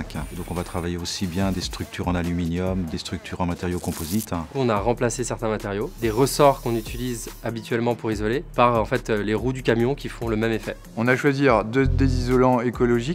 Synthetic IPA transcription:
kɛ̃d̪ɔ̃kɔ̃vat̪χavajeosibjɛ̃d̪est̪χyk̚t̪yʁɑ̃nalyminjɔmd̪est̪χyk̚t̪ʰyʁɑ̃mat̪eʁjokɔ̃pozit̪ɔ̃naʁɑ̃plasesɛʁt̪ɛ̃mat̪ɛʁjod̪eʁəsɔʁkɔ̃nyt̪ilizabit̪ɥɛlmɑ̃puʁizɔlepaʁɑ̃fɛt̪leʁud̪ykʲamjɔ̃kʲifɔ̃ləmɛmefɛ | ɔ̃naʃwaziʁd̪əd̪ezizɔlɑ̃ekɔlɔʒik

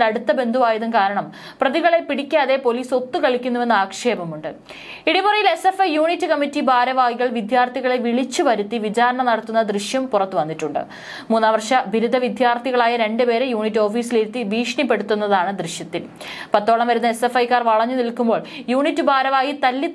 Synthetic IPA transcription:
lɐɽut̪ːɐbe̞nd̪ʱuʋaːjɐðumkaːɾɐɳɐm | prɐðiɣɐɭe̞piɽikʲːaːðe̞po̞liːso̞t̪ːukɐɭikʲːunːuʋe̞nːɨaːkʂe̞ːbɐmuɳɖɨ | iɽipurɐjile̞se̞fɐjjuːɳitːɨkɐmːitːibʱaːɾɐʋaːjiɣɐɭʋid̪jaːrt̪ʰiɣɐɭeʋiɭit͡ɕːubɐɾut̪ːiʋit͡ɕaːɾɐɳɐnɐɽɐt̪ːunːɐd̪riɕjɐmpurɐt̪ːɨʋɐnːitːuɳɖɨ̰ | muːnːaːʋɐrʂɐbʱiɾud̪ʱɐʋid̪jaːrt̪ʰiɣɐɭaːjɐɾe̞ɳɖɨpe̞ːɾejuːɳitːo̞ːfiːsiliɾut̪ːiʋiːʂɳipːe̞ɽut̪ːunːɐðaːɳɨd̪riɕjɐt̪ːil | pɐt̪ːo̞ːɭɐmʋɐɾunːɐe̞se̞fɐjkaːrʋɐɭɐɲːunilkumbo̞ːɭjuːɳitːɨbʱaːɾɐʋaːjit̪ɐlːit̪

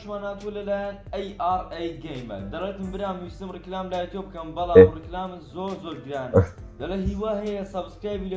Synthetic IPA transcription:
ʃmaːnhaːt̪ulɐlaːjanejaːɾejɡejmɐ̰ld̪ɐreːt̪ɨmbɨɾaːmːwist̪ɨmriklaːmlaːjɛt̪iobɨkɐmbɐlaːmrɨklaːmɨzoːɾzoːɾɡɨɾaːnd̪ɐleɦiːwaːɦɐjɐsɐbskɾaːjbilɐ

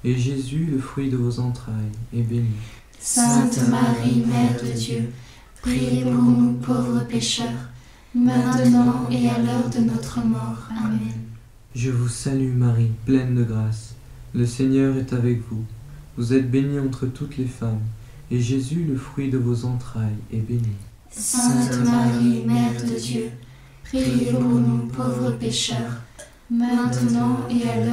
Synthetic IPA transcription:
eʒezyləfχɥid̪əvozɑ̃t̪χajɛbeni | sɛ̃ɛ̃t̪maʁimɛʁd̪əd̪jø | pχiepuʁnupʰovʁəpeʃœʁ | mɛ̃ənɑ̃ealɔʁd̪ənɔt̪χəmɔʁamɛn | ʒəvusalymaʁiplɛnd̪əɡʁas | ləseɲœʁɛt̪avɛkvuvuzɛt̪̚beniɑ̃t̪χət̪ut̪lefam | eʒezyləfχɥid̪əvozɑ̃t̪χajɛbeni | sɛ̃maʁimɛʁd̪əd̪jø | pχijevunɔ̃pʰovʁəpeʃœːʁ | mɛ̃t̪ənɑ̃eal

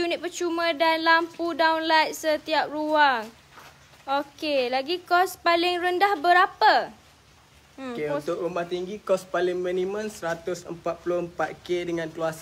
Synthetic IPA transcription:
unɪt̪̚pət͡ʃumə̃danlampudawnlajt̪̚sət̪iap̚ruaŋ | okelaɡikɔspalɪŋrəndahbəɾapa | okeunt̪ʊkɾumaht̪iŋɡikɔspalɪŋminĩmə̃nsəɾat̪ʊsə̰mpat̪̚pulʊhəmpat̪̚kedəŋãnkluasa

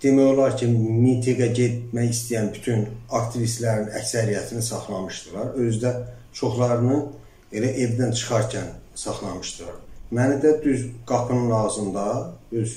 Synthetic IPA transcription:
d̪̥e̞mæjo̞lˠɑɾcʰimint̪ʰiɡɑɟet̪̚mæjist̪ijænbyt̪ʰynɑkt̪ʰivist̪læɾinæcsæɾijæt̪ʰinisɑχlˠɑmɯʃd̪ɯlˠɑɾø̞zd̪æ | t͡ʃʰo̞χlˠɑɾɯnɯ | elæʔevd̪ænt͡ʃʰɯ̥χɑɾcʰænsɑχlˠɑmɯʃd̪ɯlˠɑɾmænid̪æd̪yzɡ̥ɑpʰɯnɯnɑɣzɯnd̪ɑøz

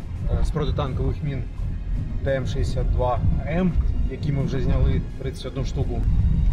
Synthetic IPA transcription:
spɾɔt̪ɨt̪ɑnkɔʋɪxmʲin | d̪ɐɛmʂɛjesʲad̪̚d̪ʋɑɛmjɐkʲimɨwʐɛzʲnʲɐlˠɪt̪ɾɪnsɐ̥tʲɔd̪nuʂt̪ukʊ

